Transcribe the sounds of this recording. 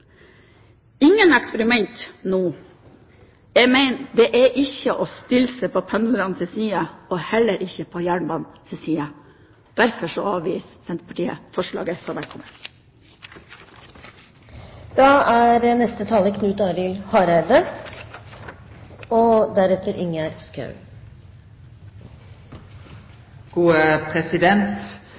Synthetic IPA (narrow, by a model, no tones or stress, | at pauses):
ɪŋːənɛkspəɾɪmɛnt̪nuː | jɛmæɪnd̪ɛʔæʔɪçəʔɔst̪ɪlsəpʰoːpʰɛnɾɑnsɛsiːəohɛlːəɾʔɪçəpʰoːjæːɳbɑːnsɛsiːə | d̪̥æɾfɔʂɔɑːʋiːssɛnt̪pʰɑʈʰiːə̰fɔʂɭɑ̰ːɡəsɔmʋɛlkʰɔməɾ | d̪̥ɑːæːɾənɛst̪ət̪ʰɑːləkʰnʉːt̪ɑɾɪlhɑːɾæd̪ə | od̪æɾɛt̪əɾʔɪŋəɾskɑ̰ʉ | ɡ̥uːəpʰʁɛsɪd̪ɛnt̪